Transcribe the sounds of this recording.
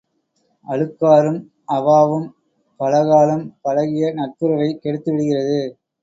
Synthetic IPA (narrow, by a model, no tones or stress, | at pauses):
ʔɐɻɯkːaːɾɯm | ʔɐʋaːʋɯm | pɐlɐɣaːlɯmpɐlɐɣɪjɐnɐʈ̚pɯɾɐʋɐɪkːɛɽɯt̪ːɯʋɪɽɯɣɪrɐðɯ